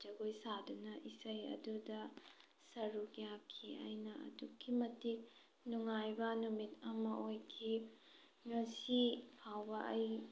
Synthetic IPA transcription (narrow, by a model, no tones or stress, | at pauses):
d͡ʒɐɡojsadunɐʔisɐjɐ̰dudɐ | sɐɾukjakʰːia̰jnɐɐ̰dukʰːimɐtik̚ | nuŋajbɐnumitɐmɐʔojkʰi | ŋɐsipʰawbɐʔɐj